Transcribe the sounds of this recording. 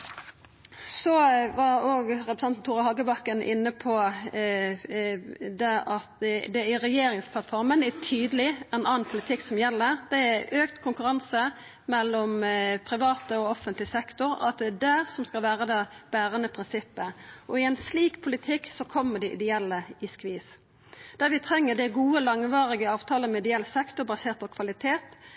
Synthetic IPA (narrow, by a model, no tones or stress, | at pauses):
sɔʋɑɾoːɡɾɛpɾəsɛnt̪n̩t̪ʰuːɾɑhɑɡəbɑkːənʔɪ̰nːəpʰɔ | d̪ɛʔɑt̪d̪ɛæɾɛjeːɾɪŋspʰlɑt̪fɔɾmənæt̪ʰyːd̪əlɪɛnɑːnpʰʊlɪt̪ʰɪkːsɔmjɛlːəɾd̪ɛæʔøːkt̪kʰʊŋkʉɾɑnsə | mɛlːɔmpʰɾɪʋɑːt̪əɔɔfənt̪lɪsɛkt̪ʊɾɑ̰t̪̚d̪ɛːd̪æsɔmskɑlʋæːɾəd̪ɑːb̥æːɾənəpʰɾɪnsɪpːəʔɔɪɛɪnsliːkpʰʊlɪt̪ʰɪkːsɔkʰɔmːəɖɛʔɪ̰d̪ɛɛlːəɪskʋiːs | d̪̥æɾʋɪt̪ʰɾɛŋːəd̪ɛɡuːəlɑŋʋɑːɾɪɡəɑːʋt̪ʰɑːləmɛɪd̪ɛɛlsɛkt̪ʊɾbɑseːɾt̪̚pʰɔkʰʋɑlɪt̪ʰeːt̪